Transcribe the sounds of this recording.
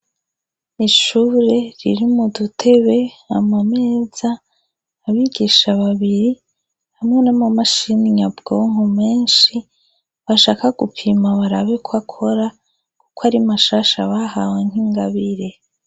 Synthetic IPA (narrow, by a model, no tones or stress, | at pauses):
iʃuːɾe̞ɾiɾimudutʰe̞βe̞amame̞ːz̥aː | βiɡiʃaβaβiɾi | hamŋenamamaʃiniɲabɡ̥owŋume̞ːnʃi | βaʃaːkaɡupʰimaβaɾaβekʰwakʰo̞ɾa | ku̥kwaɾimaʃaːʃa̰βahaweŋ̥hiŋɡaβiɾe̞